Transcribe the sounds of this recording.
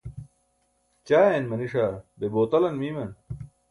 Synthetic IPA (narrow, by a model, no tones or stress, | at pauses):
t͡ɕaːjenmɐniʂabeboːt̪ɐlɐnmiːmɐn